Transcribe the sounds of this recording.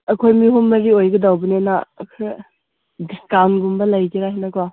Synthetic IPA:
ɐkʰojmiɦumːɐɾiojɡɐdawbɐnenakʰ | dkanɡumbɐlɐjkiɾaɦinɐka

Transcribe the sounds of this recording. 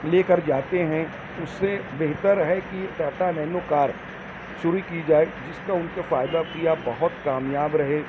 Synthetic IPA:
leːkəɾd͡ʒaːt̪eɦɛ̃ | ʊsːebeɦt̪əɾɦɛkik̪ɛːt̪anɛnʊkaːɾ | ʃʊɾikid͡ʒaːed͡ʒɪskaʊnkefaːjd̪apijabɐɦʊt̪kaːmjaːbɾɐɦeː

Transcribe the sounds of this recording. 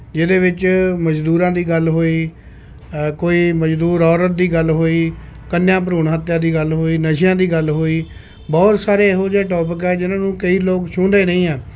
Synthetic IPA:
d͡ʒɪd̪eːʋɪt͡ʃməd͡ʒd̪uːɾãːd̪iːɡəlɦoːiː | koːiːməd͡ʒd̪uːɾɔːɾət̪̚d̪iːɡəlɦoːiːkənjãːp̬əɾuːɳɦət̪ːjãːd̪iːɡəlɦoːiːnəʃɪjãːd̪iːɡəlɦoːiː | bɔːt̪saːɾeːɦod͡ʒeːʈɔːp̬ɪkɛːd͡ʒɪnãːnũːkəiːloːkt͡ʃʰʊɳd̪eːnə̃ĩːɛː

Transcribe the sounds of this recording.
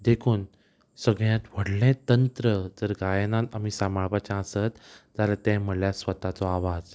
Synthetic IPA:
d̪ekʰuːn | səɡɭjãt̪ʋ̤əɽlɛ̃t̪ənt̪ɾəd͡zəɾɡajnãt̪amisamaɭpat͡ɕaə̃sət̪d͡zaɾat̪ɛ̃m̤əljasʋət̪at͡sɔaʋad͡z

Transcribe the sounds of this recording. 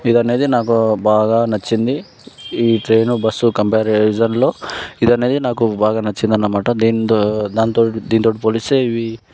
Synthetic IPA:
id̪ɐne̞ːd̪inaːk̬ubaːɡaːnɐt͡ʃːind̪i | iːʈɾe̞ːnubɐsːukɐmpeːɾed͡ʒɐnlo̞ːid̪ɐne̞ːd̪inaːkubaːɡaːnɐt͡ʃːind̪ɐnːɐmaːʈɐd̪iːnd̪aːnt̪oːid̪iːnit̪oːʈipoːliseːiʋi

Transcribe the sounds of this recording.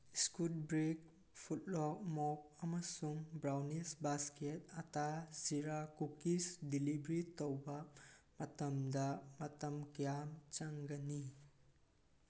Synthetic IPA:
skut̚bɾik̚ | pʰut̚lɔk̚mɔk̚ɐmɐsuŋbɾawnisbasket̚ɐtaziɾakukisdilibɾitowbɐmɐtɐmdɐmɐtɐmkɐjamt͡ʃaŋɡɐni

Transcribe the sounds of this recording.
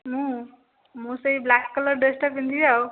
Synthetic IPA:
mũ | mũsʌjblakkʌlʌrɖesʈʌpint̪ʰiaw

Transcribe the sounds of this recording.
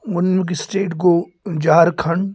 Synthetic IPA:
ʊnmẽkisʈeːʈɡoː | d͡ʒaːɾkʰɐɳ

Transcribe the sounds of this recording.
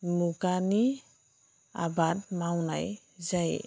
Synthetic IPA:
mukani | a̰bad̚mawna̰j | zaj

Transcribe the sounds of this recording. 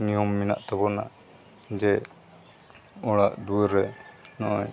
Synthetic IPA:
nijɔmːina̰ʔt̪ɛbɔna̰ʔ | d͡ʒɛ | ɔɽaʔd̪uəɾɛnɔʔɔj

